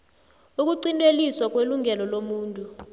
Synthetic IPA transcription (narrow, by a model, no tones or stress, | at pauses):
uk̬uǀintʼweliswak̬ʼweluŋɛlɔlomuːntʼu